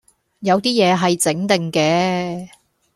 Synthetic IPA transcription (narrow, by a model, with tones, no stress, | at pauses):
jɐ˨˧wt̪iː˥jɛː˨˧ɦɐ˨jt͡sɪ˨˥ŋt̪ɪ˨ŋkɛː˧